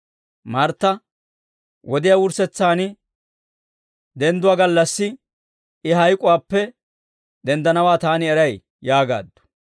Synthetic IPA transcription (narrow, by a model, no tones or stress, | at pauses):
mɐɾt̪ːɐ | wɔd̪ɪjawʊɾsɛt͡sːaːnɪ | d̪ɛnd̪ʊwaːɡɐlːɐsːɪ | ɪɦɐjkʼʊwaːpːɛ | d̪ɛnd̪ɐnɐwaːt̪aːnɪɛɾɐj | jaːɡa̰ːd̪ːɔ̥